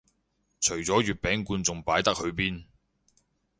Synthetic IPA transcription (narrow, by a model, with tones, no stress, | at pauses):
t͡ʃʰɵ˨˩ɥt͡sɔː˨˥jyː˨t̚pɛː˨˥ŋkuː˧nt͡sʊ˨ŋpaː˨˥jt̪ɐ˥k̚hɵ˨˧ɥpiː˥n